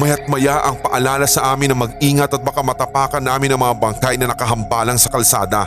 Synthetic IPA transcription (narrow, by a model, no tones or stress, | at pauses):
mɐjɐt̪̚mɐjaʔɐŋpɐʔɐlaːlɐsɐʔaːmɪnɐŋmɐɡ̚ʔiːŋɐt̪ɐt̪̚bɐkamɐt̪ɐpaːkɐnːaːmɪnɐŋmɐŋabɐŋkajnɐnɐkɐɦɐmbaːlɐŋsɐkɐlsa̰ːd̪ɐ